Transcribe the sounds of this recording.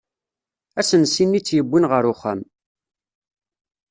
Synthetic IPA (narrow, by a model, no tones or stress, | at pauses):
æsənsinːit͡sːjəbʷːinʁəɾʊχæ̰m